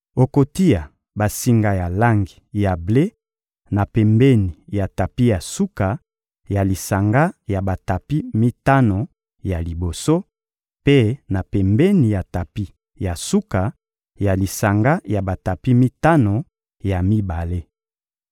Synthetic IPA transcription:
o˨ko˨ti˦ja˨ | ba˨si˦ŋɡa˦˨ja˨la˦ŋɡi˨ja˨ble˦ | na˨pɛ˨mbɛ˦ni˨ja˨ta˨pi˦ja˨su˦ka˨ | ja˨li˨sa˨ŋɡa˦ja˨ba˨ta˨pi˦mi˦ta˦no˨ | ja˨li˨bo˨so˦ | pe˦na˨pɛ˨mbɛ˦ni˨ja˨ta˨pi˦ | ja˨su˦ka˨ | ja˨li˨sa˨ŋɡa˦ja˨ba˨ta˨pi˦mi˦ta˦no˨ | ja˨mi˦ba˨le˦

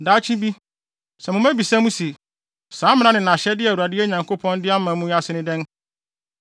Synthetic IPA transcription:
daː˨˦t͡ɕʰĩ˦bi˦ | sɛ˨mʊ̃˨mæ̃˦bi˨sã˦mũ˦se˨ | saː˨˦mɪ̃˦nã˦nɪ̃˨nã˨ɕɛ˦dɪ˦ɛ˨wu˨a˨dɪ˦ɛ˦ɲã˨ŋkʰo˦pʰɔ̃˦ndɪ˦a˦mã˨˦mũ˦a˦sɪ˦nɪ̃˦dɛ̃˦n

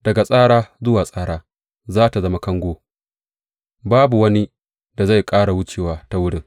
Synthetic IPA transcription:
d̥ɐ˨ɡa˨sʼaː˦ɽaː˦zʊ˦waː˨sʼaː˦ɽaː˦ | zaː˦ta˨zɐ˦ma˦kɐ˦ŋɡʷoː˦ | baː˦bu˨wɐ˦ni˦ | da˨za˦˨jkʼaː˦ɽa˨wʊ˦t͡ʃeː˨waː˦ta˦wʊ˦ɽɪ˦ŋ

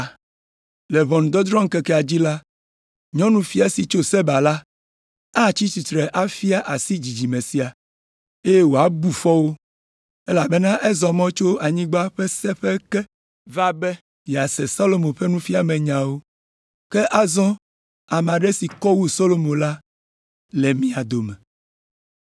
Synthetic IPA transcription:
lɛ˨βɔ̃˨nũ˨d̪ɔ˦d̪ɾɔ̃˦ŋ̩˦kɛ˦kɛ˦˨a˨d͡ʑi˦la˦ | ɲɔ̃˦nũ˨fi˦a˨si˨t͡ʃo˦sɛ˦ba˨la˦ | a˦˨t͡ɕi˦t͡ʃi˨t̪ɾɛ˨ʔa˦fi˦a˦ʔa˨si˦d͡ʑi˨d͡ʑi˨mẽ˨si˨a˨ | e˦je˦wo˨a˦bu˨fɔ˦wo˦ | e˦la˨be˦nã˦ʔɛ˦zɔ˨mɔ̃˦t͡ʃo˦a˨ɲĩ˦ɡ͡ba˦ɸɛ˦sɛ˦ɸe˦kɛ˦ | va˦bɛ˦ | jɛ˨a˨sɛ˨sa˦lo˨mõ˨ɸe˦nũ˦fi˦a˨mɛ̃˨ɲã˨wo˦ | ke˦ʔa˦zɔ̃˦ | a˨m˨ã˨ɖe˦si˨kɔ˦wu˦so˦lo˨mõ˨la˦ | le˨mĩ˦a˨d̪o˨mɛ̃˨

